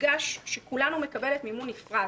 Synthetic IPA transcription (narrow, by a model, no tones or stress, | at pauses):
ɡaʃʃekulanume̞kɐbe̞le̞t̪mimunifʁa